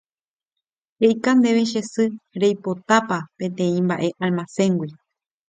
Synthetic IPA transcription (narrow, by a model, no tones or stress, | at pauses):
ɾejkand̪e̞ʋeʃ̬e̞sɨɾejpo̞t̪apapẽ̞t̪ẽ̞ĩmbaʔe̞ʔalmasẽ̞ŋɡwi